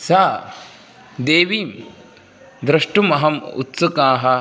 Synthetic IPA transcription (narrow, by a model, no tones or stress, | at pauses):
saː | d̪eːʋiːm | d̪ɾɐʂʈumɐɦɐmṵt̪sɐkaːɦɐ